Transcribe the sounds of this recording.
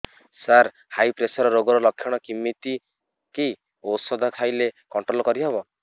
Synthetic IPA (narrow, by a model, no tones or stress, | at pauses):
saɾ | hajpɾesɔɾɔɾoɡɔɾɔlɔkʰjɔɽ̃ɔkimːit̪i | kej | osɔd̪ʱɔkʰajlekɔɳʈɾolɔkɔɾiɦebɔ